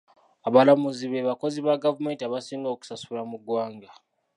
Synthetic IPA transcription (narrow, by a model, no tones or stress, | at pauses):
aβalamuziβeβako̞ziβaɡavume̞ːntiaβasiːŋɡoːku̥sasulamuɡwaːŋɡa